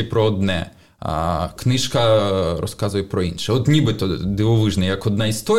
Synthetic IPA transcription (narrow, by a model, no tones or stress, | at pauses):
ɛpɾɔɔd̪nɛ̰ | knɪʃkɐɾɔ̰skɑzʊjɛpɾɔinʃɛɔt̪nʲibɪt̪ɔd̪ɪʋɔʋɪʒnɛjɐkɔd̪nɑist̪ɔ